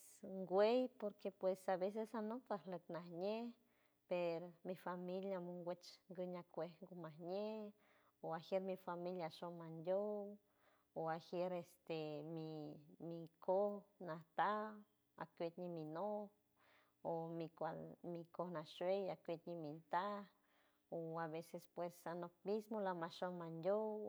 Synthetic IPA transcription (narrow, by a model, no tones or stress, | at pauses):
sŋɡʷejpoɾkepwesaβes̬esanot̪ahləknahɲe | peɾomifamiljamuŋɡʷet͡ʃŋɡəɲakʷehŋɡumahɲe | oaxjeɾmifamiljaʃomand̪ʲow | oahjeɾest̪emimikʰohnaht̪a | a̰kʷet̪ɲimino | omikʷamikohnaʃwejakʷet̪ɲimint̪a | oaβesespwesanopmismolamaʃomand̪ʲow